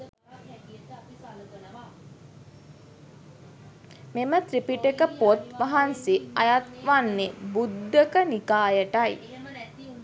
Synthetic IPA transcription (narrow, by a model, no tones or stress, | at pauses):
memət̪ɾipiʈekəpot̪ʋaɦansiajat̪ʋanːebud̪ːəkənikaːjəʈaj